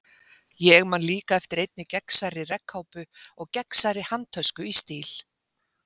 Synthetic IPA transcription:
jɛɣmanliːkaɛft̪ɪɾejt̪̚nɪcɛksaɾɪrɛkhawpʏ | ɔɣcɛksaɾɪhant̪ʰœskʏist̪iːl̥

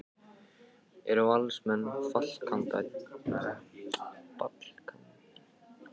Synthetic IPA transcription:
ɛɾawalsmɛnːfal̥kʰamt̪a̰ | pa̰t̪l̥kʰamp

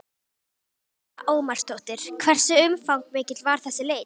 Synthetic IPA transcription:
ʔoːwmaɾ̥st̪owht̪ɪɾ̥kʰvɛr̥sɪʏmfawŋkmɪːcɪt̪lvaɾ̥θɛsːɪleːj

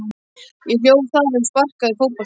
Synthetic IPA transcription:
jɛθjoːwθaɾɪmspar̥kaðɪfowpɔ

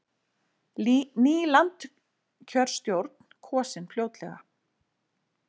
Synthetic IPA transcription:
niːlant̪ | cʰœɾ̥st̪jowɾt̪̚n̥kʰɔːsɪnfljoːwt̪lɛ̰ɣa̰

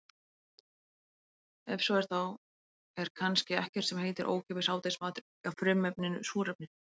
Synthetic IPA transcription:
ɛfsɔɛɾ̥θaw | ɛɾ̥kʰanscɪɛhcɛɾ̥t̪sɛmɦeːjt̪ɪɾʔo̰ːwcʰɛːpɪsaːwt̪ejsmaːt̪ɾ | afɾʏmɛpnɪnʏsuːɾɛp̚nɪ

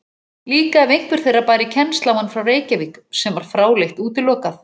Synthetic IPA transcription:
liːkaɛvejŋ̥kvʏɾ̥θejrːapaːjɾɪcʰɛnst̪lawhanːfɾawreːjcaviːksɛmvaɾ̥fɾaːwlejht̪uːt̪ɪlɔːkaθ

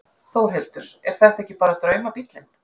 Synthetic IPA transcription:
θowɾ̥ɦɪlt̪ʏɾ̥ɛɾ̥θɛht̪ɛhcːɪpaːɾat̪ɾœːɥmapit̪lɪn

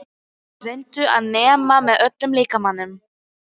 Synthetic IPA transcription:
rejnt̪ʏaðnɛːmamɛðœt̪lʏmliːkamanːʏm

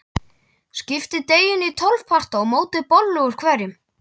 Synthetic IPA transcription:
scɪft̪ɪt̪eːjɪnit̪ʰɔlvpʰar̥t̪aɔɣmoːwt̪ɪpɔlːʏɣʏɾ̥kʰvɛːɾɪm

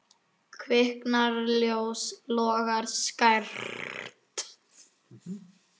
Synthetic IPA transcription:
kʰvɪhknaɾljoːwslɔːɣaɾ̥skaɾt̪

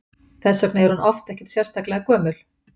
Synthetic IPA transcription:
θɛsːœknɪɛɾhunʔɔft̪ɛhcɪ̥ɾt̪sjɛɾ̥st̪aklɛɣakœːmʏl̥

